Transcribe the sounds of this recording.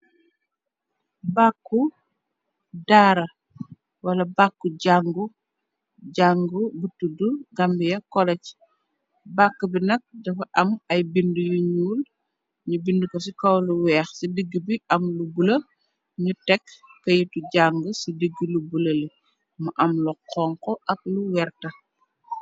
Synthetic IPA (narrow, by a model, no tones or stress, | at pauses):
bakːu | daːɾɐ | wɐlɐbakːuɟaŋɡu | ɟaŋɡubutːuduɡambijɐkɔlɛc | bakːɐbinɐk̚dɐfɐʔɐmɐjbindujuɲuːl | ɲubindukos̬ikɐwluwɛːxsidiɡːibiʔɐmlubulɐ | ɲutɛkːɐjituɟaŋɡusidiɡːilubulɐli | mɐʔɐmluqɔŋkɔʔɐk̚luwɛrtɐ